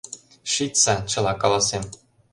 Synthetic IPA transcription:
ʂit̪sɑt͡ɕɤ̆lˠɑkɑlˠɑsem

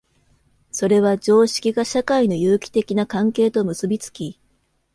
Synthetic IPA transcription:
so̞ɾe̞β̞ad͡ʑo̞ːɕi̥kʲiɡaɕakaino̞jɯːkʲi̥t̪e̞kʲinakãŋke̞ːt̪o̞mɯ̟sɨbʲit͡sɨ̥kʲi

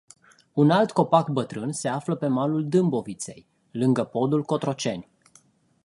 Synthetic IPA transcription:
unalt̪ko̞pakbət̪ɾɨnse̞afləpe̞maluld̪ɨmbo̞vit̪se̞̰j | lɨŋɡəpo̞d̪ulko̞t̪ɾo̞t͡ʃe̞nʲ

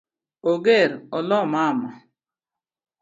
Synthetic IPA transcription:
oɡeɾɔlɔmama

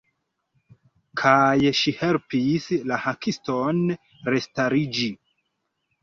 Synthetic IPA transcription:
kʰajʃihe̞lpislahakʰiston | ɾe̞staɾid͡ʒi

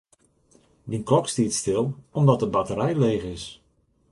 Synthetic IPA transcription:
dinklɔkstitstɪlˠɔmdɔtəbatəɾɛjleːɣɪs

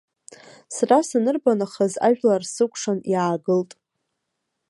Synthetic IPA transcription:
srasanɨrbanaχaza̰ʒᶣlarsɨkʷʰʼʂanjaːɡɨltʼ

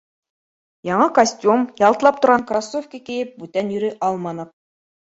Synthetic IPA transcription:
jɑɴɤkɐsʲtʲumjɑlˠt̪ɤ̆lˠɑpt̪ʰʊɾʁɑŋkrasːofkʲikijɘp̚bʉt̪ænjɵɾyʔɑlˠmɑnɤq̚

